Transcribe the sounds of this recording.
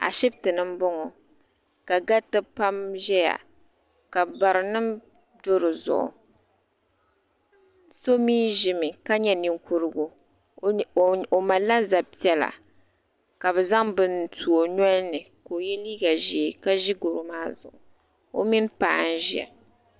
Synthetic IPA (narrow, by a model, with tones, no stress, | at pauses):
a̰˨ʃi˦btɨ˨nɨ˦mbɔ˦ŋɔ˨ | ka˨ɡa˦tɨ˦pa˦mʒɛ˦ja̰˨ | ka˨ba˨ɾɨ˨nɨ˦m | do˦ɾɨ˨zʊ̰˨ʔʊ̰˨ | so˦miː˦ʒi˨mɨ˨ka˦ɲɛ˦ni˨ŋku˦ɾɨ˦ɡo˦ | o˨ma˨la˦za˨pi˦ɛ˦la̰˨ | ka˨bɛ˨za˦ŋbɨ˦ntu˨o˨ɲɔ˦lnɨ˨ | ko˨jɛ˦liː˦ɡa˨ʒi˨ka˦ʒi˦ɡo˨ɾʊ˨maː˦zʊ̰˨ʔʊ˨ | o˦mi˦n˦paː˦˨˦n˦ʒɛ̰˨